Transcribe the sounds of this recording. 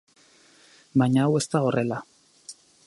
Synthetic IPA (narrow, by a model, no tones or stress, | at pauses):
baɲaawe̞st̪aore̞la